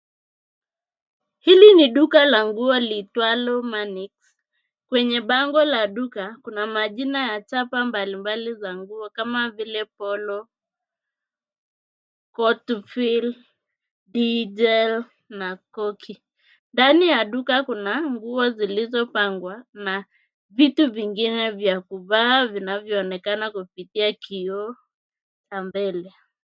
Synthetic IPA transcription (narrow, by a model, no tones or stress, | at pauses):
hiliniɗukalaŋɡuɔlitwalɔmaniks | kwɛɲɛɓaŋɡɔlaɗukakunamaʄinajat͡ʃapambalimbalizaŋɡuɔkamavilɛpɔlɔ | kɔtfil | dizɛl | nakɔkʰi | ndanijaɗukakunaŋɡuɔzilizɔpaŋɡwana | vituviŋɡinɛvjakuvavinavjɔːnɛkanakupitiakiɔ | t͡ʃambɛlɛ